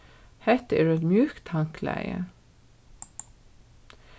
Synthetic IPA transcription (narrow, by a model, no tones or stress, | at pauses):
hɛt̪ḛːɖʉɛt̪mjʉːkt̪ʰɑŋklæ̰ɪə̰